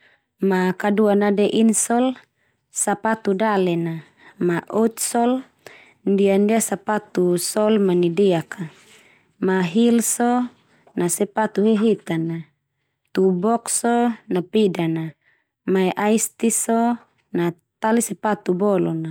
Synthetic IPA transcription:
makaduanadɛʔinsɔl | sapat̪udalɛna | maʔɔt̪̚sɔl | ndiandiasapat̪usɔlmanidɛaka | maɦilsɔ | nasɛpat̪uɦɛɦit̪ana | t̪ubɔksɔnapidana | maɛʔaist̪isɔ | na | t̪alisɛpat̪ubɔlɔna

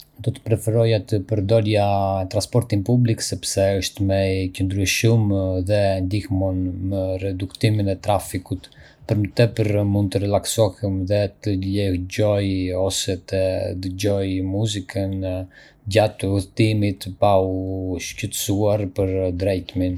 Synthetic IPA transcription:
d̪ɔt̪ə̥pɾɛfɛɾɔjat̪əpəɾd̪ɔljat̪ɾãnspɔɾt̪inpubliksɛpsɛəʃt̪mɛcənd̪ɾyʃumðɛnd̪ihmɔnməɾɛd̪ukt̪iminɛt̪ɾafikut̪ | pəɾmət̪ɛpəɾmund̪̚t̪əɾɛlaksɔhəmðɛt̪əlɛhɟɔjɔsɛt̪ɛd̪əɟɔjmuzikʰən | d͡ʑat̪uθt̪imit̪pauʃcət̪suaɾpəɾd̪ɾɛjt̪min

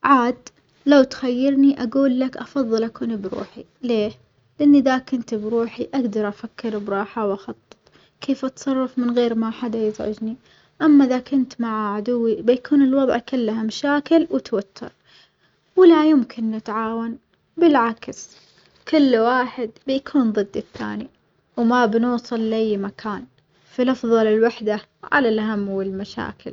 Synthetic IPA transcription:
ʕaːd̪ | lawt̪xajːɪɾniʔaɡuːlːakʔɑfɑðˤːɨlʔakuːnibɾṵːħi | leː | lɪʔɪnːiðakʊnt̪bɾuːħiʔaɡd̪ɑɾˤʔafakːɪɾbɾˤɑːħawʔɑxɑt̪ˤːɨ̥t̪ˤ | kʰeːfʔɑt̪sˤɑrˤːɑfmɪnɣeːɾmaħad̪ajɪzʕɪ̰d͡ʒni | ʔamːaʔɪðakʊnt̪maʕaʕad̪ʊwːibɪjakʰuːnɪlwɑðˤʕkʊlːhamaʃaːkɪlwɪt̪wat̪ʰːɪ̰ɾˤ | wɪlajʊmkʰɪnːɪt̪ʕaːwan | bɪlʕaks | kʊlːwaːħɪd̪bɪjakʰuːnðˤɨd̪ːɪθːa̰ːni | wmabnuːsˤɨlːʔajːmakʰaːn | filɑfðˤɑlɪlwaħd̪a | ʕa̰lalʔaɦamːwɪlmaʃa̰ːkʰɪ̰l

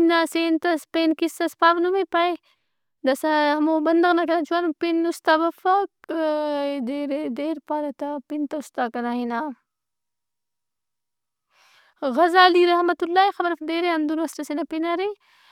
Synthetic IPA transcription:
naseːnt̪ɐspeːnkisɐspaːʋnumepɐj | d̪ɐsɐɦɐmobɐnd̪ɐɣnɐkɐnat͡ʃuwɐnpinust̪aːbɐfɐk̚ | d̪eːɾed̪eːɾpaːɾɐt̪apint̪ɐust̪aːkɐnaɦina | ɣɐzaːliɾɐhmɐt̪ulːaːixɐbɐɾɐfd̪eːɾeɐnd̪unɐsʈɐsenɐpinɐɾi

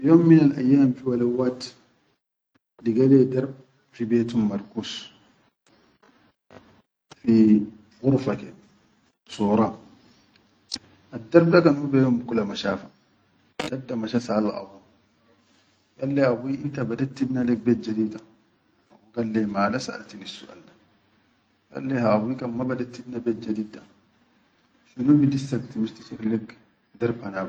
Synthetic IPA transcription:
joːmmɪnɐlʔɐ̰jːaːmfɪwɐlɛwːaːt̪ | dɪɡɐleːd̪ɐɾb̚ | fɪbeːt̪ʊmmɐɾkuːs | fi | ɣʊɾfɐkɛ | suːɾa | ʔɐd̪ːɐɾbd̪ɐkɐnʊbejomkʼʊlɐmɐʃaːfɐ̥ | d̪̥ɐbd̪ɐmɐʃɐsaːlɐʔʼɐ̰bʊ | jɐlːeɐbʊiʔɪt̪ɐbɐd̪ɐt̪ːɪbnɐlɛɡbɛd͡ʒːɐd̪iːt̪ɐ̥ | ɐʊɡɐlːeːmaːlɐsa̰ːlt̪ɪnɪsʊ̰ʔɐ̰lːɐ̥ | jɐ̰lːehaʔɐbiːkɐmːɐbɐd̪ɐt̪ːɪbnɐbɛd͡ʒːɐd̪id̪ɐ̥ | ʃʊnʊmɪd̪ɪsːɐt̪ːɪmɪst̪ɪ̥sʊɾlɛɡ | d̪ɐɾbɐna

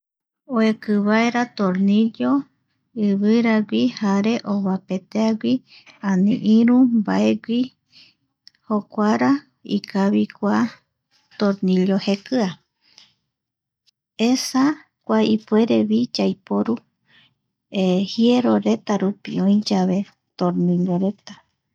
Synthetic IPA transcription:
oekɨβaeɾat̪oɾniʎo | ɨβɨɾaɡʷihaɾe̞ʔoβape̞t̪eaɡʷi | ãnĩʔĩɾũmbaeɡʷi | hokʷaɾa | ḭkʰaβikʷa | t̪oɾnilohekɨa | esa | kʷaipue̞ɾeβid͡ʒajpoɾu | ehieɾoɾe̞t̪aɾupiõĩd͡ʒaβe̞ | t̪oɾniloɾe̞t̪ḁ

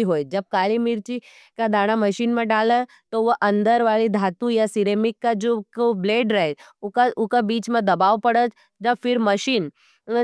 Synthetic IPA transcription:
iɦojd͡ʒəb̚kalimiɾt͡ɕi | kad̪ʱaɽ̃aməɕiːnmãɖalə | t̪ɔʋəʔənd̪əɾʋaɭid̪ʱat̪ujasiɾemikːad͡ʒokobleːɖɾaj | ukaukabiːt͡ʃmãd̪əbaʋpəɽət̪ | d͡ʒəbfiɾməɕiːn

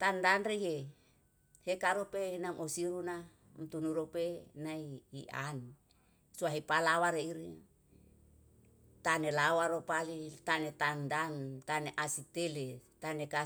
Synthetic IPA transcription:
t̪andanreje | hekaɾopenamosiɾuna | mt̪unuɾopenaiːʔa̰n | suaɦipalawaɾeiɾi | t̪anelawaɾopalit̪anet̪andant̪aneʔasit̪elet̪aneka

